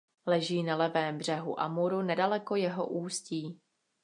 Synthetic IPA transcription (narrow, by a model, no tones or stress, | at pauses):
lɛʒiːnalɛvɛːmbr̝ɛɦṵʔa̰muɾunɛdalɛko̞jɛɦoʔuːsciː